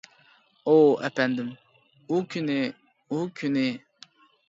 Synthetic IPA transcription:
oa̰pɛndɨm | ukyne | ukune

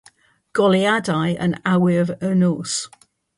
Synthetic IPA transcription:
ɡ̥ɔliadaɪə̰̃nawɪəvəːnos

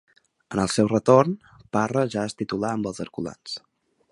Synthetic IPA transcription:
ənəlˠsɛwrət̪orn | parəʒaəst̪it̪ulaəmbəlˠzəɾkula̰ns

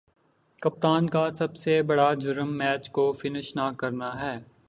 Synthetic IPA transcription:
kɐp̚t̪aːnkasɐbsebɐɽad͡ʒʊɾəmːɛːt͡ʃkofɪnɪʃnaːkɐɾnaɦɛː

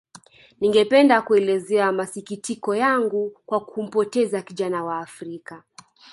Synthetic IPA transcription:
niŋɡɛpɛndakuɛlɛzɛamasikitikɔjaŋɡukwakʰum̩pɔtɛzakiʄanawaːfɾika

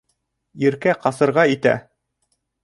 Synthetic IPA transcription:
iɾkæqɑsɤ̆ɾʁɑit̪æ̰

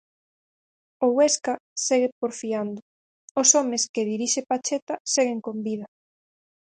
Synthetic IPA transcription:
oɣweskaseɣepoɾfiand̪ʊ | osɔmeskeðiɾiʃepat͡ʃet̪aseɣeŋkombiða

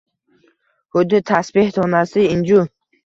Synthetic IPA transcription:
hʊd̪ːɪt̪ʰasbeht̪ʰɔnasɪɪnd͡ʒu

